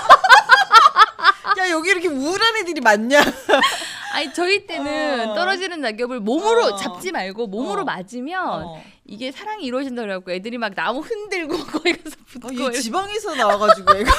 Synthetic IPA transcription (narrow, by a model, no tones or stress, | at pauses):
jajʌɡiːɾʌkʰemuːɾanedɯɾimaɲɲa | aɲit͡ɕʌit͈e̞nɯnt͈ʌɾʌd͡ʑinɯnːaɡjʌbɯɭmomɯɾot͡ɕap̚t͡ɕ͈imaɭɡomomɯɾomad͡ʑimjʌn | iɡe̞sʰaɾaŋiːɾwʌd͡ʑindajak̚k͈oedɯɾimak̚namuɸɯndɯɭɡokʌiɡʌsʰʌputkoibaŋesʰʌnawaɡad͡ʑiɡeɡ